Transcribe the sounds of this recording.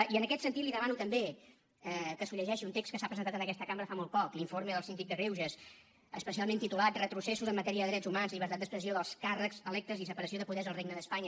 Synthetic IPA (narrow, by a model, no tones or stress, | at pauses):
iənəkɛt̪sənt̪it̪liðəmanut̪əmbe | ɛkəsuʎəʒɛʃiunt̪ekstkəsapɾəzənt̪at̪ənəkɛst̪əkaməɾəfamolˠt̪̚pɔkliɱfoɾməðəlˠsind̪ik̚d̪əɣɾewʒəs | əspəsialˠment̪it̪ulat̪rət̪ɾusesuzəmːət̪ɛɾiəðəðɾɛzumanzlʎiβəɾt̪at̪d̪əspɾəsioðəlˠskarəkzəlɛk̚t̪əzisəpəɾəs̬ioðəpuðɛzəlˠreɡnəðəspaɲə